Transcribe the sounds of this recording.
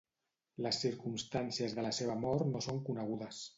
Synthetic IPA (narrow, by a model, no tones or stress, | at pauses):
ləsːiɾkumst̪ansiəzðələseβ̞əmɔɾt̪nosoŋkunəɣ̞uðəs